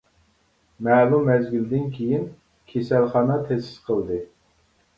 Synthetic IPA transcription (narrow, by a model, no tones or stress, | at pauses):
mɛːlˠumːɛzɡʲild̪ɪnkʲʰejin | kʲʰesɛlχɑːnɑt̪ʰɛsɪ̥z̥qʰəlˠd̪ɨ